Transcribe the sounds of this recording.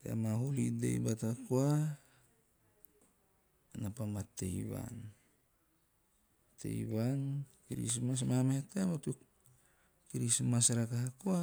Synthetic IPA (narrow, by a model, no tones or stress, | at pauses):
tea̰maɦulidḛjbatakua | napamateiβa̰n | tḛḭβankiɾḭsmas̬mameatematuk | kiɾismasɾakaɦakua